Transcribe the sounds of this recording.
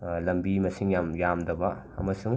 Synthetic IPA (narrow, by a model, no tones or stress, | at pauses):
lɐmbimɐsiŋjamjamdɐbɐ | ɐ̰mɐsuŋ